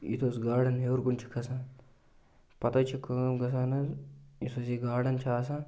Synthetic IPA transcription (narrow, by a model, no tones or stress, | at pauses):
ḭt̪ʰoːsɡaːɽɐnɦewɾɡunt͡ʃʰi̥kʰɐsaːn | pɐt̪ɐt͡ʃʰikəːmɡɐs̬aːnɐzisʰosiɡaːɖɐnt͡ʃʰaːsãː